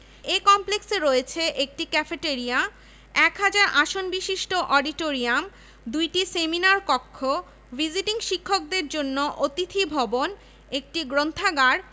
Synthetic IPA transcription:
ekɔmplekseɾoet͡ɕʰeʔek̚ʈikɛfeʈeɾija | ɛkɦad͡ʑaɾʔaʃonbiʃiʃʈoʔɔɖiʈoɾiam | d̪ujʈiseminaɾkɔkʰːo | bid͡ʑiʈiŋʃikʰːok̚d̪eɾd͡ʑonːoʔot̪it̪ʰibʱɔbon | ek̚ʈiɡɾont̪ʰaɡaɾ

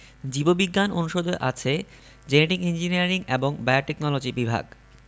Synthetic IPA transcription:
d͡ʑibobiɡːanonuʃod̪oeʔa̰t͡ɕʰe | d͡ʑeneʈiɡind͡ʑiniaɾiŋeboŋbaoʈeknɔlod͡ʑibibʱa̰ɡ

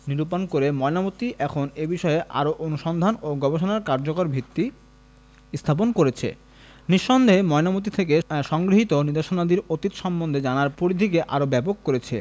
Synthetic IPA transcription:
niɾupankoɾemɔenamot̪iʔɛkʰonebiʃɔeʔa̰ɾoʔonuʃɔnd̪ʱanoɡɔbeʃonaɾkaɾd͡ʑokoɾbʱit̪ːi | st̪ʰap̬onkoɾet͡ɕʰḛ | niʃːɔnd̪ʱeemɔenamot̪̬it̪ʰek̬eʃɔŋɡɾiɦit̪oniɾd̪eʃonad̪iɾot̪it̪ʃɔmbond̪ʱed͡ʑanaɾpuɾid̪ʱikeʔa̰ɾobɛpokːoɾet͡ɕʰḛ

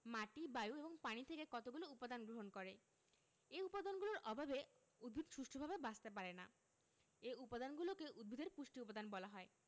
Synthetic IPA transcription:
maʈibajueboŋpaɽ̃it̪ʰekekɔt̪oɡuloupad̪anɡɾoɦonkɔɾe | eupad̪ʱanɡuloɾʔɔbʱabe | ud̪̚bʱid̪ʱʃuʃʈʰobʱabebast̪ep̬aɾena̰ | eupad̪ʱanɡulokeʔud̪̚bʱid̪ʱeɾpuʃʈiupad̪anbɔlaɦɔe

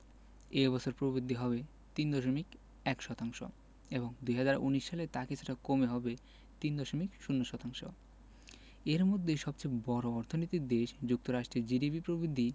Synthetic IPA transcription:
ebɔt͡ɕʰoɾpɾobid̪ʱːiɦɔβe | t̪ind̪ɔʃomik | ɛkʃɔt̪aŋʃo̰ | eboŋd̪ujɦad͡ʑaɾuniʃʃalet̪akit͡ɕʰuʈakomeɦɔbe | t̪ind̪ɔʃomikʃunːoʃɔt̪aŋʃo̰ | eɾmod̪ʱːeʃɔb̚t͡ɕebɔɾoɔɾt̪ʰonot̪ik̚d̪eʃd͡ʑuk̚t̪oɾaʃʈɾed͡ʑiɖibipɾobid̪ʱːi

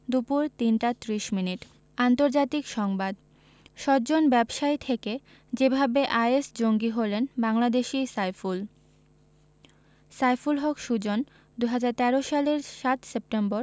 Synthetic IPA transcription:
d̪upuɾt̪inʈat̪ɾiʃminiʈ | ant̪oɾd͡ʑat̪ikʃɔŋbad̪ | ʃɔbd͡ʑonbɛbʃaet̪ʰeke | d͡ʑebʱabeʔajesd͡ʑoŋɡiɦolenbaŋlad̪eʃisajful | sajfulɦɔkʃud͡ʑon | d̪uɦad͡ʑaɾt̪ɛɾoʃaleɾʃat̪sep̚ʈemboɾ

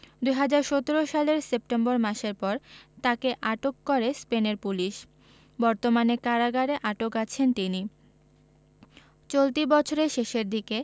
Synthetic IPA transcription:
d̪ujɦad͡ʑaɾʃot̪oɾoʃaleɾsep̚ʈemboɾmaʃeɾpɔɾt̪akeʔaʈokːoɾespeneɾpuliʃ | bɔɾt̪omanekaɾaɡaɾeʔaʈokat͡ɕʰent̪ini | t͡ɕolt̪ibɔt͡ɕʰoɾeʃeʃeɾd̪ʱike

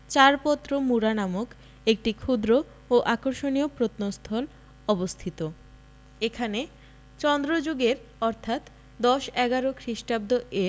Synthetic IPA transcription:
t͡ɕaɾpɔt̪ːɾomuɾanamok | ek̚ʈikʰud̪ɾo | oʔakoɾʃoniopɾot̪nost̪ʰɔl | ɔbost̪ʰit̪o | ekʰane | t͡ɕɔnd̪ɾod͡ʑuɡeɾɔɾt̪ʰat̪ | d̪ɔʃɛɡaɾokʰɾiʃʈab̚d̪oʔe

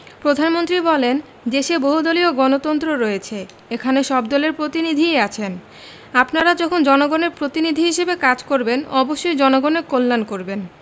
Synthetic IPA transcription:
pɾod̪ʱanmont̪ɾibɔlen | d̪eʃeboɦud̪olioɡɔnot̪ɔnt̪ɾoɾɔjet͡ɕʰe | ekʰaneʃɔbd̪ɔleɾpɾot̪inid̪ʱieat͡ɕʰen | apnaɾad͡ʑɔkʰond͡ʑɔnoɡoneɾpɾot̪inid̪ʱiɦiʃebekad͡ʑkoɾbenɔboʃːojd͡ʑɔnoɡonekolːankoɾben

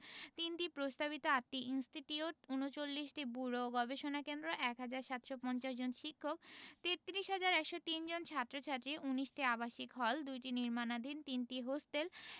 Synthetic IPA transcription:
t̪inʈipɾost̪aβit̪oat̪ːiʔinsʈiʈiuʈunot͡ɕolːiʃʈibuɾoɡɔbeʃonakend̪ɾoʔɛkɦad͡ʑaɾʃat̪ʃopɔnt͡ɕaʃd͡ʑonʃikʰːok̚t̪et̪ːiɾiʃɦad͡ʑaɾɛkʃot̪ind͡ʑont͡ɕʰat̪ːɾot͡ɕʰat̪ːɾiʔuniʃʈiabaʃikɦɔld̪ujʈiniɾmanad̪ʱint̪inʈiɦosʈel

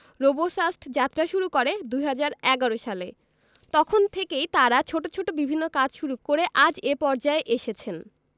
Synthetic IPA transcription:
ɾobosasʈʰd͡ʑat̪ːɾaʃuɾukoɾed̪uɦad͡ʑaɾɛɡaɾoʃale | t̪ɔkʰont̪ʰekejt̪aɾat͡ɕʰoʈot͡ɕʰoʈobibʱinːokad͡ʑʃuɾukːoɾeʔad͡ʑepɔɾd͡ʑaeʔeʃet͡ɕʰen

